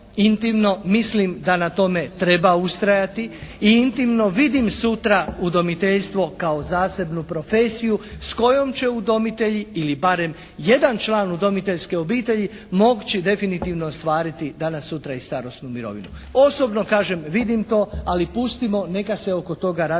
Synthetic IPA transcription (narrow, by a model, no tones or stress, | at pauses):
int̪imno̞mislimd̪anat̪o̞me̞t̪ɾe̞baust̪ɾajat̪iiint̪imno̞ʋid̪imsut̪ɾaud̪o̞mit̪eʎst̪ʋo̞kao̞zaːse̞bnupɾo̞feːsijusko̞jo̞mt͡ɕe̞ud̪o̞mit̪e̞ʎiilibaɾe̞m | jed̪ant͡ʃlˠaːnud̪o̞mit̪e̞ʎske̞o̞biːt̪e̞ʎi | mo̞ɡt͡ɕid̪e̞finit̪iʋnoːst̪ʋaːɾit̪id̪anasːut̪ɾaist̪aɾo̞st̪numiɾo̞̰ʋḭnu | o̞so̞bno̞kaːʒe̞mʋid̪imt̪o̞ːalipust̪imo̞ne̞kase̞o̞ko̞t̪o̞ɡaɾa